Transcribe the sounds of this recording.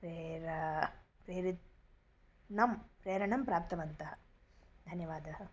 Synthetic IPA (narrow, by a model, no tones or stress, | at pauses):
pɾeːɾɐpɾeːɾit̪ | nɐmpɾeːɾɐɳɐmpɾaːp̚t̪ɐʋɐnt̪ɐɦɐd̪ʱɐnjɐʋaːd̪ɐɦɐ